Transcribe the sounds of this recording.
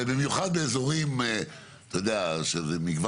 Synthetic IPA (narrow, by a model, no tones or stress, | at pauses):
bimjuχad̪beːzo̞ʁim | t̪ojod̪eaʃezemiɡva